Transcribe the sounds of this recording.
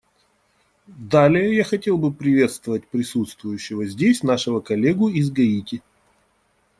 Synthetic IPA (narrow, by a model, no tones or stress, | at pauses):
d̪alʲɪjəjaxɐtʲe̞lˠbɨpɾʲɪvʲe̞t̪st̪vəvət̚ʲpɾʲɪsut̪st̪vʊjʉɕːɪvəzʲdʲesʲnaʂɨvəkɐlʲeɡʊizɡɐitʲɪ